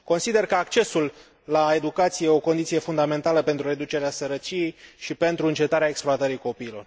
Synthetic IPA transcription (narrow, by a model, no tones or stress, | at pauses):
ko̞nsid̪e̞rkəakt͡ʃe̞sulː | ae̞d̪ukat̪sijeo̞kond̪it̪sije̞fund̪ame̞nt̪aləpe̞nt̪ɾuɾe̞d̪ut͡ʃe̞ɾeasəɾət͡ʃije̞jʃipe̞nt̪ɾuɨnt͡ʃe̞t̪aɾeaeksploat̪əɾiko̞piːlo̞̰r